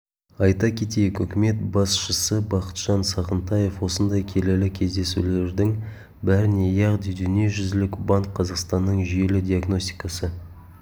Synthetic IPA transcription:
ɑjt̪ɑkʲʰe̞t̪ejɪkʏkʲɪme̞t̪̚bɑsʃəsəbɑqə̥t̪ʒ̥ɑnsɑʁənt̪ɑje̞fwo̞sənd̪ɑjkʲʰe̞lelɪkʲʰe̞zd̪e̞sṵle̞ɾd̪ɪŋ | bæɾɪnejɑʁd̪id̪ʏneʒʏzɪlɪkbɑŋkqʰɑzɑqst̪ɑnːəɴʒije̞lɪd̪ʲijɑɡno̞st̪i̥jkɑsə

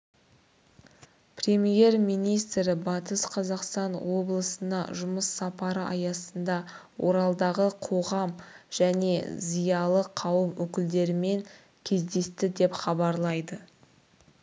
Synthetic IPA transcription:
prʲe̞mije̞ɾmijnijst̪ɾɪbɑt̪əsqʰɑzɑqst̪ɑnwo̞blˠəsənɑ̰ʒʊməsːɑpɑɾəɑjɑsənd̪ɑwo̞ɾɑlˠd̪ɑʁəqʰo̞ʁɑmʒ̥æne̞zijɑlˠəqʰɑwəmwɵkʲɪld̪e̞ɾɪme̞ŋ | kʲʰe̞zd̪e̞st̪ɪd̪e̞pχɑbɑɾlˠɑjd̪ə

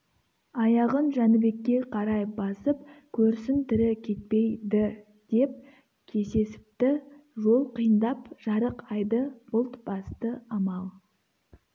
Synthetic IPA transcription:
ɑjɑʁənʒænɪbe̞kʲːe̞qʰɑɾɑjbɑsəp̚kʲʰɵɾsɪnt̪ɪɾɪkʲʰe̞t̪̚pe̞jd̪ɪ | d̪̥e̞p̚ | kʲʰe̞se̞sɪ̥p̚t̪ɪʒo̞lˠqijənd̪ɑpʒ̥ɑɾəqɑjd̪əbʊlˠt̪b̥ɑst̪əɑmɑlˠ

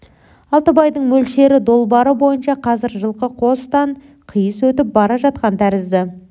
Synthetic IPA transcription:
ɑlˠt̪əbɑjd̪əɴmɵlʃe̞ɾɪd̪o̞lˠbɑɾəbo̞jənʃɑqʰɑzɪɾʒəlˠqəqʰo̞st̪ɑɴ | qʰijəswɵt̪ɪp̚bɑɾɑʒɑt̪̚qɑnt̪ʰæɾɪzd̪ɪ

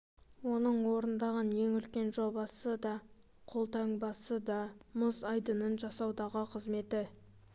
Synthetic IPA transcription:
wo̞nəɴwo̞ɾənd̪ɑʁɑnje̞ŋʏlkʲe̞nʒo̞bɑsəd̪ɑ | qʰolˠt̪ɑŋbɑsəd̪ɑmʊzɑjd̪ənənʒɑsɑwd̪ɑʁəqʰəzme̞t̪ɪ

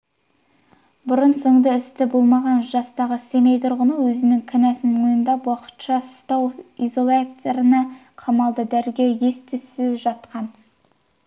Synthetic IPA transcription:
bʊɾənso̞ɴd̪ɑɪst̪ɪbo̞lˠmɑʁɑnʒɑst̪ɑʁəse̞mejt̪ʰʊɾʁənəwɵzɪnɪŋkʲʰɪnæsɪnmojɪnd̪ɑwɑqə̥t̪ʃɑst̪ɑwizo̞lˠat̪eɾɪnɑ | qʰɑmɑlˠd̪əd̪æɾɡʲe̞wje̞st̪ʰʏsɪzʒɑt̪qɑn

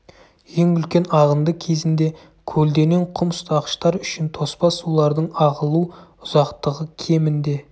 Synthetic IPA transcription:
je̞ŋʏlkʲe̞nɑʁənd̪əkʲʰe̞zɪnd̪e̞ | kʲʰɵld̪e̞ne̞ɴqʰʊmst̪ʰɑʁə̥ʃt̪ɑɾʏʃɪnt̪ʰo̞spɑsulˠɑɾd̪əɴɑʁəlˠuʊzɑqt̪əʁəkʲʰe̞mɪnd̪e̞

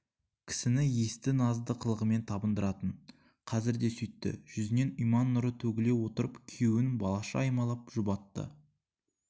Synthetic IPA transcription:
kʲʰɪ̥sɪnɪje̞st̪ɪnɑzd̪əqʰəlˠəʁəme̞nt̪ʰɑbənd̪əɾɑt̪əɴ | qʰɑzɪɾd̪e̞sʏjt̪ːɪ̰ʒ̥ʏzɪne̞nijmɑnːʊɾət̪ʰɵɡʲɪle̞wo̞t̪əɾəpkʲʰewɪnbɑlˠɑʃɑ̰ɑjmɑlˠɑp̚ʒ̥ʊbɑt̪ːə̰

